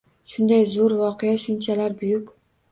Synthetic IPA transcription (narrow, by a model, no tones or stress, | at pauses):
ʃʊnd̪ajzʊɾvɒqʰejaʃʊnt͡ʃʰalaɾbʊjʊkʲ